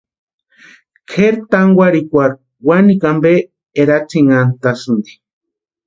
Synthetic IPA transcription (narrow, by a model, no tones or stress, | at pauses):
kʰeɾt̪aŋɡwaɾikʷaɾ | wanikambe | eɾat͡siŋant̪asɨnd̪i̥